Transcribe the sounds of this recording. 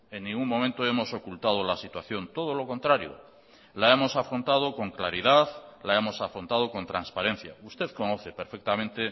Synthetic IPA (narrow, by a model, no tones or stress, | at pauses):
e̞nːĩŋɡuŋmomẽnt̪oemo̞so̞kult̪að̞olasit̪waθjo̞nt̪o̞ð̞olo̞ko̞nt̪ɾaɾjo̰ | lae̞mo̞safɾont̪að̞oko̞ŋklaɾiðaðlaemo̞safɾont̪að̞oko̞nt̪ɾanspaɾe̞n̟θja̰ust̪e̞ðkonoθepeɾfek̚t̪amẽnt̪e